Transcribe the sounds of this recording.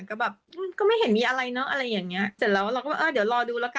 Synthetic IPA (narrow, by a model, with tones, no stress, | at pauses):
kɔ˥˩bɛː˨˩p̚ʔɯː˧˩kɔː˥˩ma˥˩jhe˩˦nmiː˧ʔa˧ɾa˧jnɔ˦˥ʔa˧ɾa˧jːaː˨˩ŋni˦˥ɐse˨˩t̚lɛː˧wɾa˧wkɔ˥˩˨ʔɤː˧di˩˦wlɔː˧duː˧lɛː˦˥wka˧